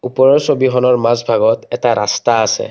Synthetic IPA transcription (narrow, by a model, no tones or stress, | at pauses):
upɔɹɔɹsobiɦɔnɔɹmasbʱaɡɔtɛtaɹa̰staːsɛ̰